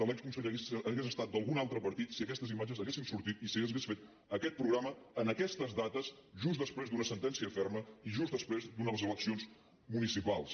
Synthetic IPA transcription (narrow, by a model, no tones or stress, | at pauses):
əlɛkskunsəʎəɣeəɣezəst̪at̪̚d̪əlˠɣunalˠt̪ɾəpəɾt̪it̪siəkɛst̪əzimad͡ʒəzəɣesinsuɾt̪it̪isəɣeesfet̪ | əkɛt̪̚pɾuɣɾaməənəkɛst̪əzðat̪əzʒuzd̪əspɾezd̪unəsənt̪ɛnsiəfɛrməiʒuzðəspɾezd̪unələzələksionz | munisipalˠs